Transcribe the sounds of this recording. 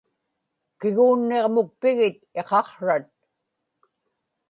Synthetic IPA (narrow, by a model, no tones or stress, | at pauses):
kɪɣuːnːeʁmʊk̚pɪɣɪt̪̚e̞qɑqɻat̪̚